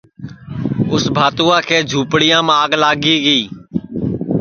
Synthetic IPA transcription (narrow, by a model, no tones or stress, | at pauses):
ʊsbʱaːt̪uːãːkʰeːd͡ʒʱuːpɽɪjãːmaːɡlaːɡiːɡiː